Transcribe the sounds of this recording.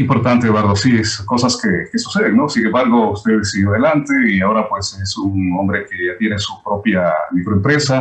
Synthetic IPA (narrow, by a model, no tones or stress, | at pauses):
impo̞ɾt̪ant̪eðwaɾðosiesko̞saskeke̞su̥se̞ðeŋno̞siɣembaɾɣo̞ust̪e̞ðesiɣjoaðe̞lant̪e̞iao̞ɾapwe̞se̞suŋo̞mbɾe̞keat̪jenesupɾo̞pjamikɾoempɾe̞sa